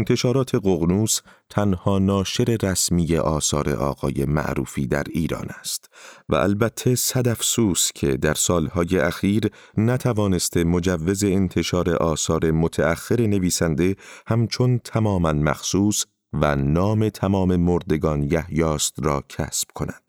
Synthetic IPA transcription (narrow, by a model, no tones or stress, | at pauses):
ent̪ʰe̞ʃɒːɾɒːt̪ʰe̞ɢoɣnuːst̪ʰænhɒːnɒːʃe̞ɾe̞ɾæsmije̞ʔɒːsɒːɾe̞̰ʔɒ̰ːɣ̥ɒ̰ːje̞̰mæ̰ʔɾṵːfḭːd̪æ̰ɾiːɾɒ̰ːnæst̪væ̰ʔæ̰lbæt̪ʰːe̞sæd̪æfsuːscʰe̞̰d̪æɾsɒːlhɒːje̞ʔæxiːɾ | næt̪ʰævɒːne̞st̪ʰe̞mod͡ʒævːe̞ze̞ːnt̪ʰe̞ʃɒːɾe̞̰ʔɒːsɒːɾe̞mot̪ʰææxːe̞ɾe̞neviːsænd̪e̞hæmt͡ʃʰo̞nt̪ʰæmɒːmænmæ̰xsuːs | vænɒːme̞t̪ʰæmɒːme̞moɾd̪e̞ɡɒːnjæhjɒːst̪ɾɒːcʰæ̰sb̥kʰo̞næ̰d̪̥